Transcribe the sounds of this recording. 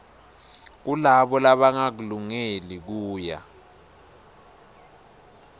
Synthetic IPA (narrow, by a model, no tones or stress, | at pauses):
k̬ulaɓɔlaɓaŋak̬uluŋelik̬uːja̰